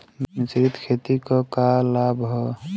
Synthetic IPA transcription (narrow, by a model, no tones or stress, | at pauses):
mmɪt͡ʃɾit̪kʰet̪ikɔkalabʱɦɔ